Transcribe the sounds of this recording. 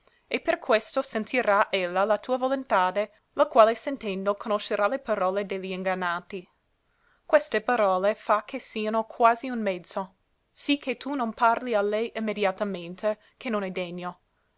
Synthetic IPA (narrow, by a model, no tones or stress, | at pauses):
eperkʰwest̪osent̪ʰiɾaʔelːalat̪ʰuːavolont̪aːd̪e | lakwaːlesent̪ɛnd̪okʰonoʃːeɾalepaɾɔːled̪eʎːiiŋɡanːaːt̪i | kwest̪epaɾɔːlefak̟ʰːesiːanokʰwaːziunmɛd̪z̥o | sikʰːet̪unonparlialɛjʔimːed̪jat̪ament̪ʰe | k̟ʰenːonɛd̪eɲːo